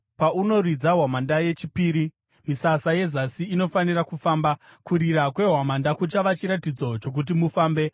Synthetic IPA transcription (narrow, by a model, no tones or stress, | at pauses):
pauno̞rid͡zaɦwamandaje̞t͡ʃipiːɾi | misasaje̞zasiːno̞fanirakufaːmbakuɾiɾakwe̞ɦwamandakut͡ʃaʋat͡ʃiɾatid͡zo̞t͡ʃo̞k̬ut̬imufaːmbe̞